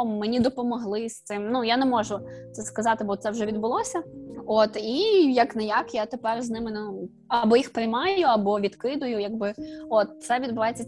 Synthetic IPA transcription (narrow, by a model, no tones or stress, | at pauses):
menʲid̪ɔpɔmɔɦlˠɪst̪ɪmnujanɛmɔʒʊt̪ɛskɐzɑt̪ɪbɔt̪sɛwʒɛʋʲid̪bʊlˠɔsʲɐot̪ijɐknɛjɑkjat̪epɛrznɪmɪn | ɐbɔjixpɾɪjmɑjjʊɐbɔʋʲid̪kɪd̪ʊjʊjɐɡ̚bɪot̪̚t̪sɛʋʲid̪bʊʋɑjet͡sʲːɐ